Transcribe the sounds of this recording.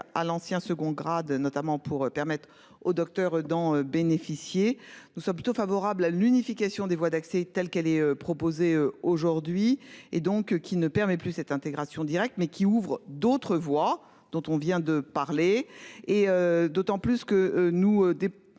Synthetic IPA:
a̰lɑ̃sjɛ̃səɡɔ̃ɡʁad̪nɔt̪amɑ̃pʰuʁøpɛʁmɛt̪χ | od̪ɔk̚t̪œʁd̪ɑ̃øbenefisjenusɔ̃mp̬lyt̪ofavɔʁablalynifikʲasjɔ̃d̪evwad̪aksɛt̪ɛlkɛlɛøpχɔpozeøoʒuʁd̪ɥied̪ɔ̃kkʲinəpɛʁmɛplysɛt̪ɛ̃t̪eɡʁasjɔ̃d̪iʁɛk̚t̪mɛkʲʰiuvʁd̪ot̪χəvwa | d̪̥ɔ̃t̪ɔ̃vjɛ̃d̪əpaʁleː | ød̪ot̪ɑ̃plyskəønuød̪e

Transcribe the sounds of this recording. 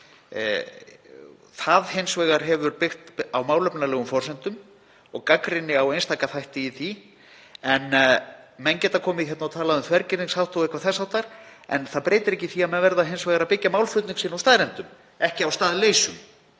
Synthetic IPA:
θaðɦejnsvɛːɣaɾ̥ɦɛvʏɾpɪxt̪awmaːwlœpnalɛːɣʏmfɔrsɛnt̪ʏm | ɔɣkakɾɪnːɪawejnst̪aːkaθajht̪ɪiθi | ɛn | mɛncɛːt̪akʰɔːmɪðçɛt̪nat̪ʰaːlaðʏmθvɛɾcɪɾniŋshawt̪ʰowɪhkvaɾθɛsːawt̪aɾ̥ɛ̰nθaðpɾeːjt̪ɪɾɛhcːɪθiamɛnvɛɾðaɦejnsvɛːɣaɾawpɪcːamaːwlfʏt̪nɪŋsɪːnawst̪aːðɾɛnt̪ʏm | ɛhcɪawst̪aːðleːjsʏm

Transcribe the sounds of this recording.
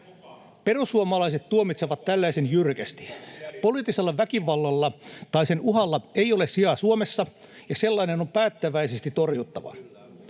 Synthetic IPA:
perusuomɑlɑiset̪t̪ːuomit̪seʋɑt̪tælːæisenjyrkæst̪i̥poliːt̪ːiselːɑʋækiʋɑlːɑlːɑt̪ɑisenuɦɑlːɑeiolessiɑsuomesːɑ | jɑselːɑinenompæːt̪ːæʋæisest̪it̪orjut̪ːɑʋɑ̰

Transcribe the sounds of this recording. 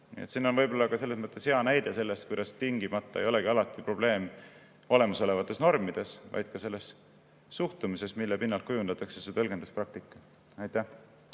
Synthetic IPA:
nḭet̪sinːonvɤjbo̞lːɑkɑse̞lːesmɤt̪ːˑe̞she̞ɑnæjd̪̥ese̞lːe̞st̪kujd̪̥ɑst̪iŋɡ̥imɑt̪ˑːɑejo̞le̞ɡiɑlɑt̪ˑːipro̞b̥le̞ːm | o̞le̞mɑso̞le̞vɑt̪ːˑe̞sno̞rmid̪̥e̞svɑ̰jd̪̥kɑse̞lːe̞s | suht̪umise̞smilːepinːɑlt̪̚kujund̪ɑt̪ːˑɑkse̞set̪ɤlɡ̥end̪usprɑk̚t̪ikːˑɑ | ɑjt̪ːæh

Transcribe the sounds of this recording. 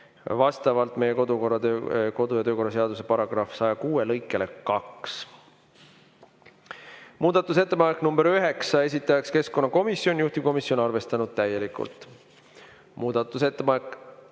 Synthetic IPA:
vɑst̪ɑvɑlt̪ˑme̞jeko̞d̪ukorːɑøko̞d̪̥ujɑt̪øːko̞rːɑseɑd̪̥us̬e̞pɑɾɑɡ̥rɑfsɑjɑkuːelɤjkːˑe̞le̞kɑks | muːd̪̥ɑt̪ːˑus̬e̞t̪ːe̞pɑnekːˑnumb̥eɾyɦe̞ksɑe̞s̬ʲit̪ːˑɑjɑkske̞sko̞nːɑko̞misːjo̞njuht̪i̥ko̞misjo̞nɑrve̞st̪ɑnud̪̥̚t̪æjːe̞likːˑṵlt̪ˑ | muːd̪̥ɑt̪ˑːuse̞t̪ːe̞pɑnekːˑ

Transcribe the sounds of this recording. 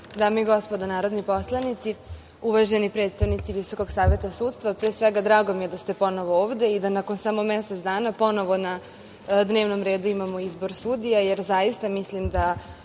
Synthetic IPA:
d̪aːmeiɡo̞spo̞d̪onaːɾod̪nipo̞slˠanit̪si | uʋaʒe̞nipɾe̞ːt̪st̪aʋnit̪siʋiso̞ko̞ɡsaːʋe̞t̪asuːt̪st̪ʋapɾeːsʋeɡad̪ɾaːɡo̞mijed̪ast̪e̞po̞noʋooːʋd̪e̞id̪anako̞nsamo̞meset̪sd̪aːnapo̞no̞ʋo̞na | d̪ne̞ːʋno̞mɾe̞ːd̪uimamo̞izbo̞ɾsud̪ijaje̞ɾzajist̪amislimd̪a

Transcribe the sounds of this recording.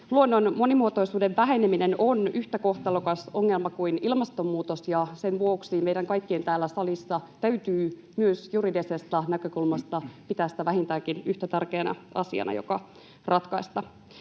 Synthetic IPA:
luonːonmo̞nimuot̪o̞isuːde̞ʋʋæɦe̞neminenonyht̪æko̞ht̪elukɑsoŋːe̞lmɑkuinilmɑst̪o̞mːuːt̪osjɑse̞nʋuoksimejdæŋkɑjkːie̞nt̪æːlːæsɑlisːɑt̪æyt̪yː | myøsjuridesest̪ɑnækøkulmɑst̪ɑpit̪æːsi̥t̪æʋæɦint̪æːkinyht̪æt̪ærkeːnɑ̰ɑ̰siɑ̰nʔɑ̰jo̰kɑ | rɑt̪kɑist̪ɑ

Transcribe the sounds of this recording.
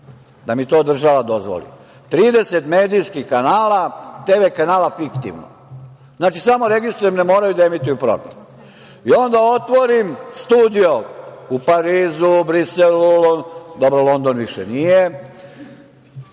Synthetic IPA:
d̪amit̪o̞ːd̪r̩ʒaʋad̪o̞zʋo̰lḭ | t̪ɾiːd̪e̞set̪meːd̪ijskixkanaːlat̪eːʋekanaːlafikt̪ḭʋno̰ | znaːt͡ʃisamo̞ɾe̞ɡist̪ɾujemnemo̞ːɾajud̪aemit̪ujupɾo̰ɡɾḛm | io̞nd̪ao̞t̪ʋo̞ɾimst̪uːd̪ijoupaɾiːzubɾiselulod̪obɾolo̞nd̪o̞nʋiʃenije

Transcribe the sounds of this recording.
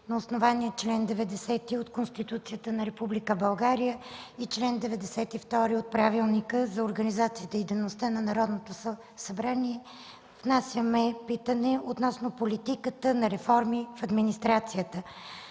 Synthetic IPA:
nɐosnovaniɛt͡ʃlɛnd̪ɛvɛd̪ɛsɛt̪iot̪konst̪it̪ut̪sijət̪ənɐɾɛpublikəbɐlˠɡaɾijəit͡ʃlɛnd̪ɛvɛd̪ɛsɛt̪ift̪ɔɾiot̪̚pɾavilˠnikəzɐoɾɡənizat̪siət̪əid̪ɛnost̪ənɐnɐɾɔd̪not̪os | sɐbɾaniɛ | vnasʲjəmɛpit̪ənɛot̪nɔsnopolit̪ikət̪ənɐɾɛfɔɾmifɐd̪minist̪ɾat̪sijət̪ə

